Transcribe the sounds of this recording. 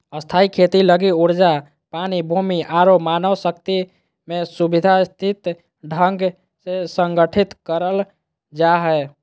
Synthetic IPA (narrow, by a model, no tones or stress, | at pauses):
əst̪ʰaikʰet̪iləɡiuɾd͡ʒa | panibʱumiʔaɾomanəwsək̚t̪i | mesubid̪ʱast̪ʰit̪ | ɖʱəŋɡ | sesəŋɡəʈʰit̪kəɾəl | d͡ʒaɦɛ